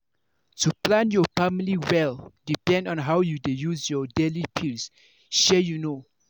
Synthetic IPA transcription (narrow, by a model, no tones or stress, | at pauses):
tuplãnjɔfamiliwɛldipɛ̃ndɔ̃nɦawjudejusjɔdelipʰils | ʃɛjuno